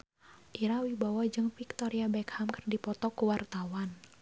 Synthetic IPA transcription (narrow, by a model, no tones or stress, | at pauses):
ʔiɾawibawɔd͡ʒɨŋfik̚t̪ɔɾiabɛkhamkərdipɔt̪ɔkuwart̪awan